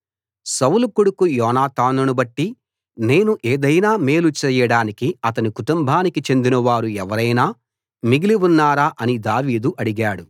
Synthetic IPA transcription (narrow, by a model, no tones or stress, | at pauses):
sɐwulukuɽukujɔːnaːt̪aːnunubɐʈːi | ne̞ːnuʔeːd̪ɐjnaːme̞ːlut͡ʃɛːjɐɽaːnikiɐt̪ɐnikuʈumbʱaːnikit͡ʃe̞nd̪inɐʋaːɾuɛʋɐɾɐjnaː | miɡiliunːaːɾaːʔɐnid̪aːʋiːd̪uʔɐɽiɡaːɽu